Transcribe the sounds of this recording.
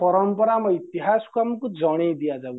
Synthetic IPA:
pɔɾɔmpɔɾamɔit̪iɦasɔ̥kuamɔkud͡ʒɔɽ̃ejd̪ijad͡ʒau

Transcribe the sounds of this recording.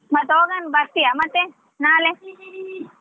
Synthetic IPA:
mɐt̪oːɡɐnbat̪ːijamɐt̪ːe | naːle

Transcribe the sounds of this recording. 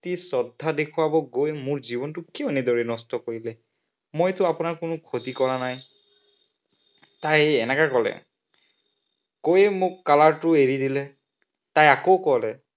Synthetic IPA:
tisɔdʱːadekʰʊwabɔɡojmʊɹzibɔntʊkionɛdɔɹɛnɔstɔkoɹilɛ | mojtʊapʊnaɹkʊnʊkʰotikɔɹanaj | tajɛnɛkakɔlɛ̰ | kojɛmʊkːalaɹtʊeɹidilɛ | tajakoʊkɔlɛ

